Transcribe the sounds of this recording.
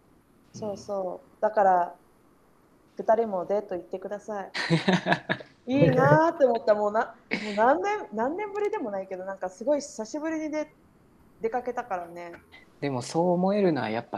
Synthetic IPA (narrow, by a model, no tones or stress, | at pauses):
so̞ːso̞ː | d̪̥akaɾa | kɯ̟t̪aɾʲimo̞d̪e̞t̪ːo̞it̪ːe̞kɯ̟d̪asai | iːnat̪ːeomo̞t̪ːamo̞ːnãmoːnãnːẽ̞mnãnːẽ̞mbɯ̟ɾʲid̪e̞mo̞naike̞d̪o̞nãŋkasɨɡo̞içi̥saɕibɯ̟ɾʲiɲ̟id̪e̞ | d̪e̞kake̞t̪akaɾane̞d̪e̞mo̞so̞ːmo̞e̞ɾɯ̟noa̰japːa